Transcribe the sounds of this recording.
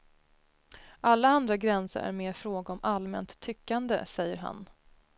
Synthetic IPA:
ʔalːaand̪ɾaɡɾɛnsə̰ɾæ̰ɾmeːɾfɾoːɡaɔmʔalmɛnt̪ʰːʏkːand̪ə̰sɛjːəɾɦa̰n

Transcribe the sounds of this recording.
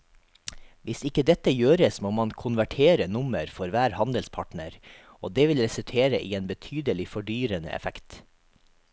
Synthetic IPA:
ʋɪsɪkəd̪ɛt̪əjøːɾəsmoːmɑnkʰʊnʋæʈʰeːɾənʊməɾfɔɾʋæːɾhɑnd̪əlspʰɑʈɳəɾ | oːd̪eːʋɪlɾɛsʉlt̪ʰeːɾəʔiːeːnbət̪ʰyːd̪əlɪfɔɖyːɾənə̰ʔɛ̰fækt̪

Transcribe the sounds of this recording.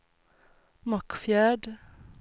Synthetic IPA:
mɑkfjæːɖ

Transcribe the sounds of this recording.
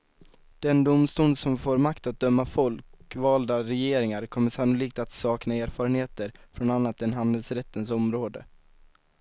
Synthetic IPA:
d̪̥ɛnd̪ʊmst̪uːnd̪sɔmfoːɾmakt̪at̪̚d̪œmːafɔlkvɑːld̪aɾɛjeːɾɪŋaɾkʰɔmːəʂanːʊliːkt̪at̪sɑːknaeːɾfɑːɾənheːt̪əɾfɾɔnanːat̪ɛnɦand̪əlsɾɛt̪ːənsɔmɾoːd̪ə̰

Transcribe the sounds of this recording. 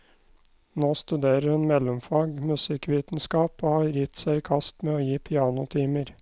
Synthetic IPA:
noːst̪ʉd̪eːɾəɾhʉnmɛlʊmfɑːɡmʉsɪkʋiːt̪n̩skɑːpoːhɑːɾjɪt̪sæɪːkʰɑst̪meːoːjiːpʰɪɑːnʊt̪ʰiːməɾ

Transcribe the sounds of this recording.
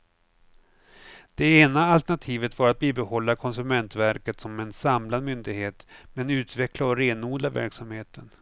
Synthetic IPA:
d̪̥ɛeːnaalt̪ɛɳat̪ʰiːvət̪vaɾat̪̚biːbɛhɔlːakʰɔns̬ɵmɛnt̪væɾkət̪sɔmɛnsamlad̪mʏnd̪ɪɡheːt̪mɛnʉ̟ːt̪vɛklaɔɾeːnuːd̪avæ̰ɾksamheːt̪ʰən

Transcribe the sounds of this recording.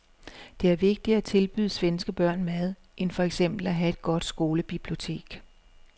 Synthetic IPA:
d̥e̝æɐʋe̝ɡ̥̚d̥iæt͡sʰe̝lb̥y̰ːð̞ˠsʋensɡ̥əb̥ɶɐ̰nmæðˠ | ʔenfɒ̽eɡ̥sem̰b̥l̩æɦæe̝d̥ɡ̥ɒ̽d̥sɡ̥o̝ːləb̥ib̥lio̝t͡sʰe̝̰ːɡ̥

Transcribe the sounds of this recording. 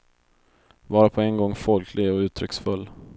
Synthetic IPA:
vɑːɾapʰɔɛnɡɔŋːfɔlkʰlɪɡɔʉ̟ːt̪ʰɾʏksfɵlː

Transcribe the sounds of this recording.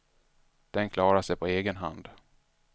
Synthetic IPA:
d̪̥ɛnkʰlɑːɾaʂɛjpʰɔeːɡənɦa̰nd̪

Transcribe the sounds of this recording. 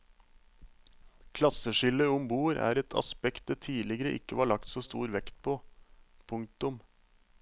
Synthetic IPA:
kʰlɑsəʃɪləʊmbuːɾæ̰ːɾɛt̪ʰɑ̰spɛkt̪̚d̪eːt̪ʰiːlɪɡəɾəʔɪ̰kəʋɑːɭɑkt̪soːst̪ṵːɾʋɛkt̪̚pʰoːpʰʊŋk̚t̪ʊm

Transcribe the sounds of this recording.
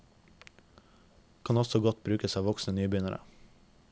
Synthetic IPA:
kʰɑnɔsɔɡɔt̪̚bɾʉːkəsɑːʋɔksnənyːbʏnəɾʔə̰

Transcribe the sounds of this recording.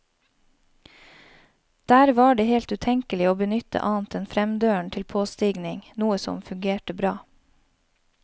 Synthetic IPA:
d̪̥æːɾʋɑːɖeːheːlt̪ʉːt̪ʰɛŋkəlɪoːbənʏt̪ə̰ʔɑːn̩t̪ɛnfɾɛmd̪øːəɳ̩t̪ʰɪlpʰoːst̪iːɡnɪŋnuːəsɔ̰mfʉŋɡeːʈəbɾɑː

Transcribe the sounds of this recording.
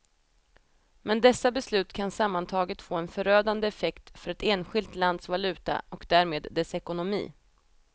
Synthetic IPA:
mɛnd̪ɛsːabɛslʉ̟ːt̪kʰansamːant̪ʰɑːɡət̪foːɛnfœɾøːd̪and̪əɛfɛkt̪fœɾɛt̪eːnɧɪlt̪land̪svalʉ̟ːt̪a̰ɔkd̪æːɾmeːd̪ːɛsɛkʊnʊmḭː

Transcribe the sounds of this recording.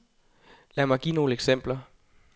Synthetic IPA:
læɐmɑ̈ɪɡ̥ḭːno̝ːləeɡ̥sem̰b̥lɐ

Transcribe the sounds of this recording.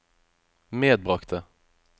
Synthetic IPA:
meːd̪̚bɾɑkt̪ə

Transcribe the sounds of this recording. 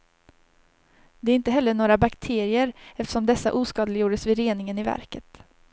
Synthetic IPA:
d̪ɛæɾɪnt̪əɦɛlːəɳoːɾabakt̪ʰeːɾɪəɾɛft̪əʂɔmd̪ɛsːa̰ʔuːskɑːd̪əlɪjuːɖəsvɪɾeːnɪŋənɪvæ̰ɾkət̪

